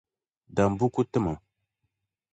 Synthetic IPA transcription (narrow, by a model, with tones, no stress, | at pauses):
da˨m˨bu˦ku˦tə˦mə˨